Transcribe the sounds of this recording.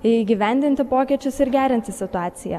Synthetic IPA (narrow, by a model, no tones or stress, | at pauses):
ɪiːɡʲiʋʲɛnʲd̪ʲɪnʲt̪ʲɪpoːkʲiɛt͡ʃʲʊsɪɾɡʲæːɾʲɪnʲt̪ʲɪsʲɪt̪ʊɑːt̪sʲɪjɛ̰